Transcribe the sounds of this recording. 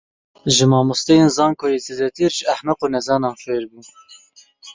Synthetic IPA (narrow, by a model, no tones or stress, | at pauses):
ʒɨmɑːmust̪ɛjeːnzɑːŋkʰojezed̪ɛt̪ʰiɾʒɨæħmɛqoːnɛzɑːnɑːnfeːɾbun